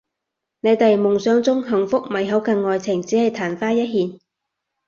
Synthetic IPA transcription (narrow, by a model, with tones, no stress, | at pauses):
ne˨˧jt̪ɐ˨jmʊ˨˩ŋsœː˨˧ŋt͡sʊ˥ŋɦɐ˨˩ŋfʊ˥k̚mɐ˨˩jɦɐ˨˥wkɐ˧ŋːɔː˨jt͡sʰɪ˨˩ŋt͡siː˨˥hɐ˨jt̪ʰaː˨˩nfaː˥jɐ˥t̚ɦiː˨˧n